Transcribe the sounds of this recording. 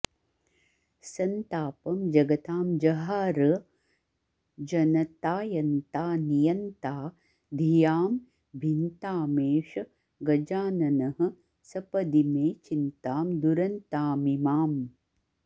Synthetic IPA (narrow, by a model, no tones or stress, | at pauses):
sɐnt̪aːpɐmd͡ʒɐɡɐt̪aːmd͡ʒɐɦaːɾɐ | d͡ʒɐnɐt̪aːjɐnt̪aːnijɐnt̪aː | d̪ʱijaːm | bʱint̪aːmeːʂɐ | ɡɐd͡ʒaːnɐnɐɦɐ̆ | sɐpɐd̪imeːt͡ʃint̪aːmd̪uɾɐnt̪aːmimaːm